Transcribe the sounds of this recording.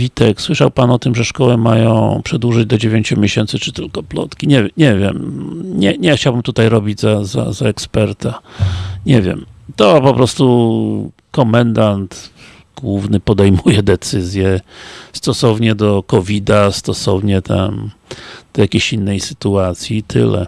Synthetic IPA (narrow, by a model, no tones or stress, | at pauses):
vʲit̪ɛkswɘʂawpanɔt̪ɘmʐɛʂkɔwɛmajɔ̰̃w̃pʂɛd̪wuʐɘd͡ʑd̪ɔd͡ʑevʲeɲt͡ɕumʲjeɕɛnt̪sɘt͡ʂɘt̪ɘlkɔplɔ̰t̪kʲiɲɛɲɛvʲjɛmɲɛɲɛxt͡ɕawbɘmt̪ut̪ajɾɔbʲid͡ʑzaza̰zaɛkspɛɾt̪aɲɛvʲjɛ̰mt̪ɔpɔpɾɔst̪u | kɔmɛnd̪ant̪ | ɡ̥wuvnɘpɔd̪ɛjmujɛd̪ɛt̪sɘzʲjɛst̪ɔsɔvɲɛd̪ɔkɔvʲid̪ast̪ɔsɔvɲɛt̪ʰa̰m | d̪̥ɔjakʲeɕinːɛjsɘ̥t̪uat̪sʲjit̪ʰɘ̰lɛ̰